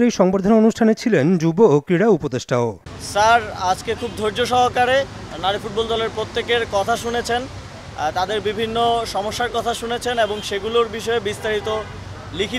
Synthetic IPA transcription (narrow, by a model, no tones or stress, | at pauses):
ɾejʃɔŋbaɾd̪ʱononuʃʈʰanet͡ɕʰilend͡ʑubookɾiɽaupod̪eʃʈao | saɾad͡ʑkekʰubd̪ʱoɾd͡ʑoʃɔɦokaɾe | naɾifuʈ̚bɔld̪ɔleɾpɾot̪ːekeɾkɔt̪ʰaʃunet͡ɕʰen | t̪ad̪eɾbibʱinːoʃɔmoʃːaɾkɔt̪ʰaʃunet͡ɕʰeneboŋʃeɡuloɾbiʃɔebist̪aɾit̪o | likʰi